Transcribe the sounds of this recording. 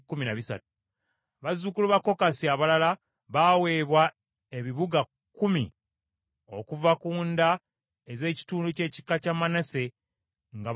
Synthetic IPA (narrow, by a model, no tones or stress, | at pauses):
kːuminaβisa̰tu̥ | βazukuluβakːo̞kasiaβalala | βawe̞ːβwa | e̞βiβuɡa | kːumḭ | o̞̰kuvakuːnda | eze̞ːci̥tuːnduce̞ːci̥kːacamːanase̞ | ŋɡa